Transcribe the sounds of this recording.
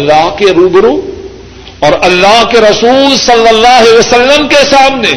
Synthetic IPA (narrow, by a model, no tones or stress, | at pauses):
lːaːɦkeɾubɾõ | ɔːɾɐlːaːɦkeɾɐsuːlsɐlːəlːaːɦeʋɐsəlːəmkesaːmne